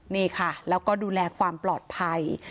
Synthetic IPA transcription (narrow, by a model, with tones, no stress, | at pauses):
niː˥˩kʰa˥˩lɛː˦˥wkɔː˥˩duː˧lɛː˧kʰwaː˧mplɔː˨˩t̪̚pʰa˧j